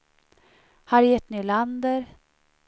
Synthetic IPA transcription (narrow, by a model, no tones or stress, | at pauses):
haɾjɛt̪ːnyland̪əɾ